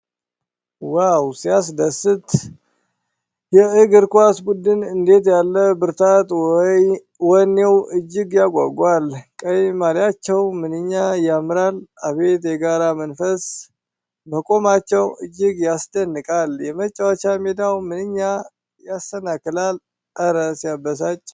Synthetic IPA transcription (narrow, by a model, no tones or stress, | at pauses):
wawsijas̬d̪əsɨt̪ | jɛɨɡɨɾkʷasbud̪ɨnɨnd̪e̞t̪jalːəbɨɾt̪ʰat̪ | wɔnːewɨd͡ʒːɪɡjaɡʷa̰ɡʷalkʼəjmaɾjat͡ʃːɛwmɨnɨɲːajamɨɾalaβe̞t̪jɛɡaɾamənfəs | məkʼo̞mat͡ʃːɛwɨd͡ʒːɪɨɡjasd̪ənːɨkʼaljɛmət͡ʃʼːawat͡ʃamed̪awmɨnɨɲːa | jasːənakɨlal | ʔəɾəsjabːəs̬at͡ʃʼː